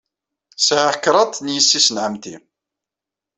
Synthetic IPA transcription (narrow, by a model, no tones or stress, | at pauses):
saʕakːɾˤɑt̪ˤːnjəsːisənʕəmt̪ḭ